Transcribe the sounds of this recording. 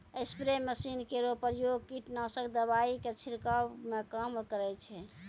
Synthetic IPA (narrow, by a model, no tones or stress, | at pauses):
əɪspɾeməsinkeɾopəɾjoɡ̚kiʈnasəkd̪əβaiket͡ʃʰiɾkamekamkəɾɛt͡ʃʰɛ